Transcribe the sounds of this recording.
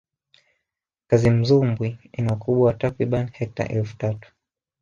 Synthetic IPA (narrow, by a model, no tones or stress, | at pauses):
kazim̩zumbwiinaukuɓwatakɾiɓanhɛk̚ta̰ʔɛlfu̥tatu̥